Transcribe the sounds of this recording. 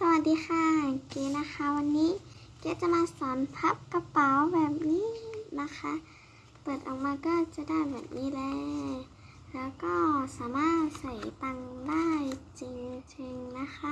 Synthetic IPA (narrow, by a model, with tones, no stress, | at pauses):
sa˧wa˧˩t̪̚diː˧˦xaː˧˩˨keː˨˧˦na˧xa˧˩wa˧nːiː˧˥˨ | ke˧˥˦t͡ɕa˧˨maː˧sɔː˨˦npʰa˧˥p̚ka˧pa˨˧˦wbɛː˨˩p̚niː˧˥˨na˧˥xʰa˦˥ʔ | pɤː˨˩t̪̚ʔɔ˨˩k̚maː˧kɔː˧˩t͡ɕa˧˨daː˥˩jbɛː˨˩p̚niː˧˨lɛː˧˥ | lɛː˧˥wkɔː˧˩saː˨˦maː˧˥˩t̪̚sa˨˩˦jt̪a˧ŋdaː˥˨jt͡ɕi˧ŋt͡ɕʰɯ˧ŋna˧˥xʰa˧˥